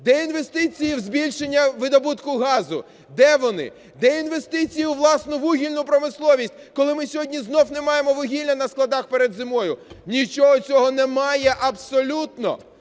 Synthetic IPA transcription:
d̪ɛinʋe̞st̪ɪt͡sʲijiwzbʲilʲʃenʲːɐʋɪd̪ɐbut̪kʊɦɑzʊ | d̪ɛʋɔnɪ̰ | d̪ɛinʋe̞st̪ɪt͡sʲijʊʋlˠɑsnʊʋuɦʲilʲnʊpɾɔmɪslˠɔʋʲisʲt̚ʲkɔlˠɪmɪsʲɔɦɔdʲnʲiznɔwnemɑjemɔʋɔɦʲilʲɐnɐsklˠɐd̪ɑxpeɾed̪zɪmɔjʊnʲit͡ʃɔɦɔt͡sʲɔɦɔnɛmɑjɛʔɐbsɔlʲut̪nɔ̰

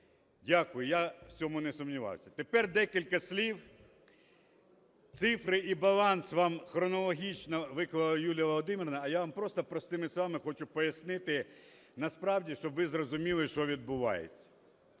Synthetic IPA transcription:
dʲakʊjʊjaw̥t͡sʲɔmʊnesʊmnʲiʋɑ̰wsʲɐt̪epɛrd̪ɛkʲilʲkɐsʲlʲiw | t̪sɪfɾɪibɐlˠɑnsʋɑmxɾɔnɔlˠɔɦʲit͡ʃnɐʋɪkʋɐlˠɐjulʲjɐʋɔlˠɔd̪ɪmʲiɾnɐːjaʋampɾɔst̪ɔpɾɔst̪ɪmɪsˠɑmɪxɔt͡ʃʊpɔjɐsnɪt̪ɪ | nɐspɾɑwdʲiʃt͡ʃɔbʋɪzrɔzʊmʲilˠɪʃt͡ʃɔʋʲid̪̚bʊʋɑ̰jḛt͡sʲːɐ̥

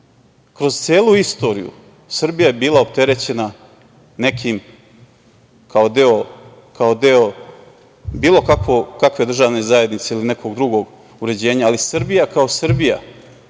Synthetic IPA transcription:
kɾo̞zt̪sieːlˠuist̪o̞ɾḭjṵ | sɨr̩bijajebiːlaopt̪e̞ɾe̞t͡ɕe̞na | ne̞kʰim | kao̞d̪eo̞ | kʰaod̪e̞o̞ | biːlˠo̞kakʋokakʋe̞d̪r̩ʒaːʋne̞zaje̞d̪nit̪se̞iline̞kʰo̞ɡd̪ɾuɡo̞ɡ | uɾe̞d͡ʑe̞ːɲaːlisr̩bijakao̞srbija̰

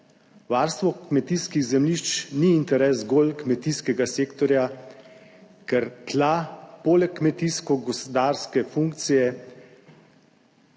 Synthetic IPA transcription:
ʋaːɾst̪ʋɔkmɛt̪iːskiɣzɛmliʃt͡ʃniːnt̪ɛɾɛːzɡoːlkmɛt̪iskɛɡaseːkt̪ɔɾja | kɛɾklapoːlɛkːmɛt̪iskɔɡɔspɔd̪aːɾskɛfuŋkt̪sijɛ

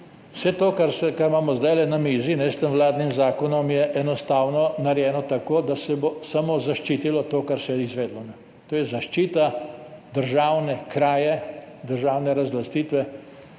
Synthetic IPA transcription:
wsɛt̪oːkaɾsɛkaɾmaːmɔzd̪ajlɛnamiːzinɛst̪əmʋlaːd̪nimzaːkɔnɔmjɛʔɛnɔst̪aːwnɔnaɾjɛːnɔt̪akoːd̪asɛbosamozaʃt͡ʃiːt̪ilɔt̪oːkaɾsɛjɛizʋeːd̪lɔnɛ | t̪oːjɛzaʃt͡ʃiːt̪ad̪əɾʒaːwnɛkɾaːjɛ | d̪əɾʒaːwnɛɾazlast̪iːt̪ʋɛ

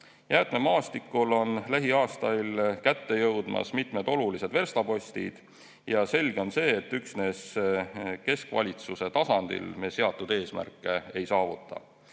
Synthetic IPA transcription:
jæːt̪me̞mɑːst̪ikːˑulo̞nlæɦiɑːst̪ɑjlkæt̪ːe̞jɤwd̪̥mɑ̰smit̪med̪o̞lulise̞d̪ve̞rst̪ɑpo̞sʲt̪ḭd̪̥ | jɑse̞lɡ̥eo̞nse̞ːt̪ːyksne̞s | ke̞skvɑ̰lʲit̪suse̞t̪ɑsɑnd̪̥ḭlmese̞ɑt̪ːˑud̪e̞ːsmæ̰rkːˑee̞jsɑːvut̪ːˑɑ̰

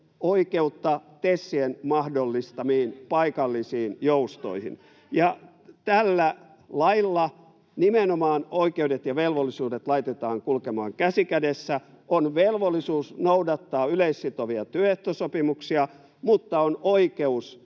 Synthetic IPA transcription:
oikeut̪ːɑt̪esːienmɑhdolːist̪ɑmiːnpɑikɑlːisiːnjoust̪o̰ihḭn | jɑ | t̪ælːæ | lɑilːɑ | nimenomɑːnoikeudet̪jɑʋelʋolːisuːdet̪lɑit̪et̪ɑːŋkulkemɑːŋkæsikædesːæ | ʔonʋelʋolːˑisuːsnoudɑt̪ːɑːyleisːit̪oʋiɑt̪yøeht̪osopimuksiɑ | mut̪ːɑonoikeus

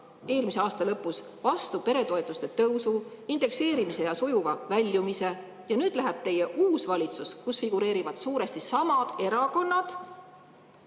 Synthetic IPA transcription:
e̞ːlmise̞ɑːst̪ɑlɤpːˑus | vɑst̪upe̞ɾe̞t̪o̞et̪ːˑust̪e̞t̪ɤwsu | ind̪̥e̞kse̞ːɾimise̞jɑsojuvɑvælʲːjumise̞ | jɑnyːd̪læɦeb̥̚t̪e̞je̞ʔuːsvɑlʲit̪suskusfiɡ̥uɾe̞ːɾivɑd̪̥suːɾe̞st̪isɑmɑd̪̥e̞ɾɑko̞nːɑd̪̥

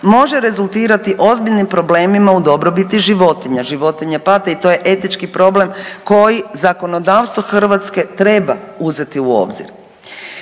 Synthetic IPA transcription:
mo̞ʒe̞ɾe̞zulˠt̪iːɾat̪iʔo̞zbiʎnimpɾo̞ble̞ːmimaud̪o̞bɾo̞bit̪iʒiʋo̞t̪iɲaʒiʋo̞t̪iɲapat̪ait̪o̞je̞ʔe̞t̪nit͡ʃkipɾo̞ble̞mko̞jizako̞no̞d̪aːʋst̪ʋo̞xr̩ʋat̪ske̞t̪ɾe̞bauze̞t̪iuo̞̰ːbzḭɾ

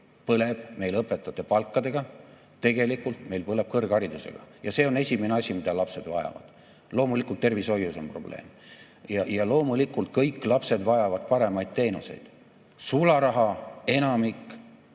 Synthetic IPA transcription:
pɤle̞b̥me̞jlɤpːˑe̞t̪ːˑɑt̪ːˑe̞pɑlkˑːɑd̪e̞ɡ̥ɑ | t̪ːe̞ɡe̞likult̪me̞jlpɤle̞b̥̚kɤrɡ̥ɑɾid̪use̞̰ɡ̥ɑ̰jɑse̞ːo̞ne̞sʲimene̞ɑsʲimid̪̥ɑlɑpse̞d̪̥vɑjɑ̰vɑ̰d̪̥ | lo̞ːmulikːˑult̪ːe̞rviso̞jːuso̞mprob̥le̞̰ːm | jɑjɑlo̞ːmulikːˑult̪̚kɤjkːˑlɑpse̞d̪vɑjɑvɑd̪̥̚pɑɾe̞mɑjd̪̥̚t̪e̞ːnuse̞̰jd̪̥ | sulɑɾɑɦɑe̞nɑmikːˑ

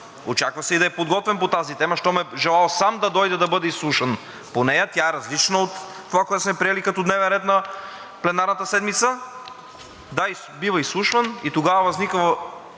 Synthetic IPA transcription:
ot͡ʃakvɐsɛid̪ɐɛpod̪ɡɔt̪vɛmpot̪azit̪ɛmɐʃt̪ɔmɛʒɛlˠalˠsamd̪ɐd̪ɔjd̪ɛd̪ɐbɤd̪ɛislˠuʃən | ponɛjɐt̪ʲjaɛɾɐzlit͡ʃnəot̪ː | ovakoɛt̪ʊsmɛpɾiɛlikɐt̪od̪nɛvɛnɾɛt̪nɐ | plɛnaɾnət̪əsɛd̪mit̪sə | d̪ai | bivəislˠuʃvɐnit̪oɡavɐvɐznikvə

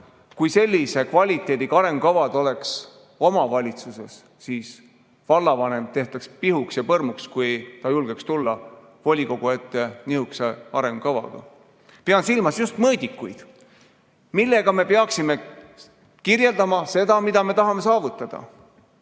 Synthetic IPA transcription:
kujse̞lʲːise̞kvɑlʲit̪ːˑe̞ːd̪ikɑɾe̞ŋɡ̥ukɑvɑd̪̥o̞le̞ks | o̞mɑvɑlʲit̪suse̞sː | iːs | vɑlːɑvɑne̞mt̪e̞ht̪ɑkspiɦuksjɑpɤrmukskujt̪ɑjulɡ̥ekst̪ulːɑ | vo̞lʲiko̞ɡ̥ue̞t̪ːe̞niɦukseɑɾe̞ŋɡ̥ukɑvɑ̰ɡ̥ɑ̰ | peɑnsilmɑsjust̪mɤːd̪̥ʲikːˑujd̪̥ | milːe̞ɡ̥ɑme̞peɑksime̞ | kirje̞ld̪ɑmɑse̞d̪̥ɑmid̪̥ɑme̞t̪ɑɦɑme̞sɑːvut̪ːˑɑd̪̥ɑ̰

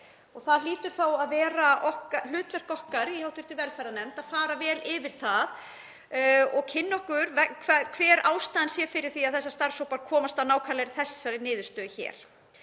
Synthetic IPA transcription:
ɔɣθaðliːt̪ʏɾ̥θawaðvɛːɾaʔɔhkalʏːt̪vɛr̥kɔhkaɾihawht̪ʏɾ̥t̪ɪvɛɾfɛɾanɛmt̪aðfaːɾavɛːlɪvɪɾ̥θað | ɔɣkʰɪnːɔhkʏɾvɛkʰakʰvɛːɾaːwst̪aːðɪnsjɛfɪɾɪɾ̥θiaðθɛsːast̪aɾ̥sowpaɾkʰɔːmast̪anaːwkʰalɛɾɪθɛsːaɾɪnɪːðʏst̪œːðçɛ̰ːɾ̥

